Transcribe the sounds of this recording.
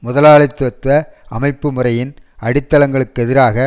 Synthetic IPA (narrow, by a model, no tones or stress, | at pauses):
mʊðɐlaːɭɐɪt̪ːɐt̪ʋɐɐmɐɪpːɯmʊrɐjɪnɐɽɪt̪ːɐlɐŋɡɐɭɯkːɯɛðɪɾaːɣɐ